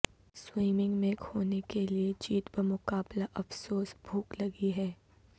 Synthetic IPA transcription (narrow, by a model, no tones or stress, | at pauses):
swiːmɪ̃ŋɡmẽkhoːnekeliet͡ʃiːt̪bɐɾmʊkaːblaʔɐfsoːsbʱuːklɐɡiɦɛː